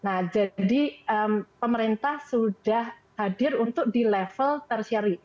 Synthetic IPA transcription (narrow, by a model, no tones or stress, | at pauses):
nahd͡ʒadiʔəmpəməɾint̪ahsudah | hadɪrunt̪ʊk̚dilɛfəlt̪ərsaɾi